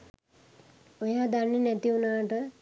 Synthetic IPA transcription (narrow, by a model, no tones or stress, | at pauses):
ojaːd̪anːenɛt̪iunaːʈə